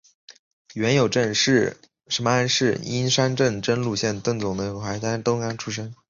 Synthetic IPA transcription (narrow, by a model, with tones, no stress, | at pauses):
ɥɛ˧˥njo˨˩ʊʈ͡ʂə˥˧nʂɻ̩˥˩ | ʂə˧˥nmə˧a˥˧nʂɻ̩˥˩i˥nʂa˥nʈ͡ʂə˥˧ŋʈ͡ʂə˥nlu˥˩ɕjɛ˥˧nt̪ɤ˥˩ŋt͡sʊ˨˩ŋd̪ə˦jo˧˥ʊxa˧˥ɪt̪ʰa˥t̪o˥ʊka˥˩nʈ͡ʂʰu˥ʂ̬ə˥ŋ